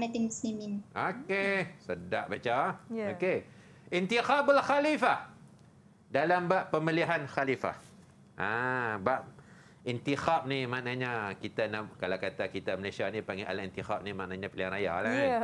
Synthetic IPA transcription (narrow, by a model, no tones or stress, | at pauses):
nat̪iŋmuslimĩnokesədaʔ̚bat͡ʃaoke | int̪ixabalxalifa | dalambaʔpːəmiliɦanxalifa̰h | ʔabaʔ̚ | int̪ixap̚nimaʔnaɲakit̪anakalakat̪akit̪aməlesianipaŋɡeʔa̰laʔint̪ixap̚nimaʔnaɲapiliaŋɾaja̰la